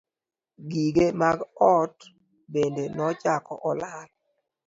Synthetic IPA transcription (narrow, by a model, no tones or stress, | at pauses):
ɡiɡemaɡɔt | bendenɔt͡ʃakɔ̰ʔɔlal